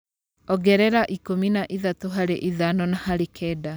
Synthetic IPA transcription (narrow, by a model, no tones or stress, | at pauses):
ɔɡɛɾɛɾaʔikominaʔiðatoɦaɾeʔiðanɔnahaɾekʰɛda